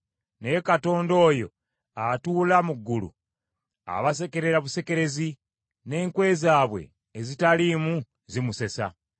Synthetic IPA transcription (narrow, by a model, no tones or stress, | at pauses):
nekato̞ːndo̞ːjo̞̰ | atuːlamuɡːulṵ | a̰βas̬e̞ke̞ɾe̞ɾaβuse̞ke̞ɾe̞zi | ne̞ːŋkwe̞ːzaːβwe̞̰ː | zitalimu | zimuse̞sa̰